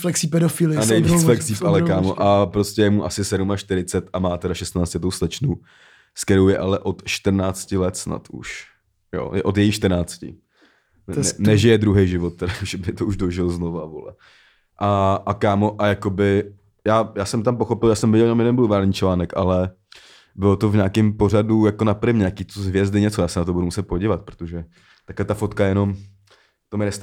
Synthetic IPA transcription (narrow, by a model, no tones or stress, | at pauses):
flɛksipɛdofɪlɪanɛjvit͡sflɛksiːpʔalɛkaːmoʔapɾoscɛjɛmuʔasɪsɛdumaʃt̪ɪɾɪt͡sɛt̪amaːt̪ɛɾaʃɛst̪naːt͡scɛt̪owslɛt͡ʃnu | skɛɾo̞wjɛʔalɛʔo̞t̪ʃt̪r̩naːt͡scɪlɛt̪sna̰t̪ʔṵʃ | jo̰ːjɛʔo̞t̪jɛjixʃt̪rnaːt͡scɪ̰ | ɛnɛʒɪjɛd̪ɾuɦejʒɪvot̪̚t̪ːɛdaʒɛbɪt̪ouʒdoʒɪlzno̞vavo̰lɛ̰ | ʔaʔakaːmo̞ʔajakobɪ | jaːjaːsɛmt̪ampoxo̞pɪljaːsɛmvɪɟɛljɛnomjɛdɛnbluvaːlɲiːt͡ʃlaːnɛkʔa̰lɛ | bɪlot̪ovɲaːkɪmpo̞r̝adujakonapɾɪmɲaːkiːt̪oɦvjɛzdɪɲɛt͡sojaːsɛnat̪̬obudumusɛt̪̚poɟiːvat̪̚pɾo̥t̪oʒɛ | t̪aklɛt̪afo̞t̪kajɛno̞m | t̪omɪnɛst̪